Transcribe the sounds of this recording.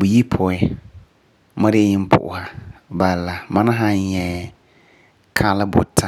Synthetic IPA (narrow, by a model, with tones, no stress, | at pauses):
bu˨ji˦pʰɔ˨ɪ˦ | ma˦de˦ɲɪ˦m˦pʰʊ̰˨ʔʊ̰˨ha˨˦ba˨lla˨ma˦na˦ɦa˦ɲɛ˨ | kʰa˦lɪ˦bʊ̰˨tʰa˦